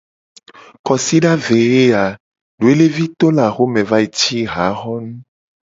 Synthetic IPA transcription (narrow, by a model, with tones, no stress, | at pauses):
kɔ˨si˦ɖa˦ve˨ɣe˦a˨ | ɖu˨e˦le˦vi˦t̪o˦la˨xo˦mɛ̃˨va˦e˨t͡ʃi˦ɦa˨˦xɔ˦nũ˦